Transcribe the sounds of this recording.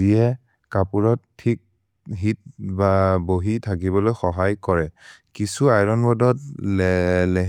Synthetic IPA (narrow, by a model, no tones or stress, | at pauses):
iɛ | kapuɹɔtʰːik̚ | ɦit̚baboɦitʰak̬iβɔlojxɔɦajkɔɹɛkisuajɹɔnbɔdɔt | lɛɦ